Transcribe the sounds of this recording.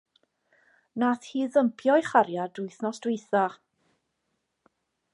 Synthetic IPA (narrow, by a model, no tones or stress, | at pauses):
naθhiːðəmpʰjɔjχaɾjadʊɨθnɔsd̥wɪjθa